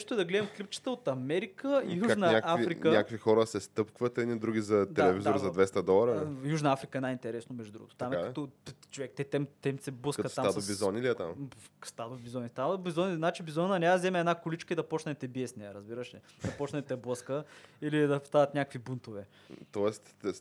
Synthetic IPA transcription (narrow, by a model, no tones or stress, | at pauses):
ɛʃt̪oɛd̪ɐɡlɛd̪ɛmklip̚t͡ʃə̥t̪əot̪ɐmɛɾikəijuʒnənʲakavifɾikənʲakkvixɔɾəsɛst̪ɤpkvət̪ɛd̪nid̪ɾuɡʲizɐtd̪ɛalɛvizoɾzɐd̪vɛst̪ɐd̪ɔlˠɐɾəjuʒnɐafɾikəɛnajint̪ɛɾɛsnomɛʒd̪ud̪ɾuɡot̪o̥t̪amkɐt̪ɔt͡ʃovɛkt̪ɛt̪ɛmt̪ɛmsɛblˠəskətsamad̪obizɔniliɛt̪a̰mbkst̪ad̪obizɔnist̪abizɔnʲiznat͡ʃibizɔnnɐnʲazɛmɛːd̪nakʊlit͡ʃkəid̪ɐpɔt͡ʃnɛt̪ɛbiɛsnɛjəɾəzbiɾəʃɛ | d̪ɐpɔt͡ʃnɐt̪ɛblˠəskəilid̪ɐpst̪aɐt̪nʲakəkvibunt̪ovɛ | t̪ɔɛst̪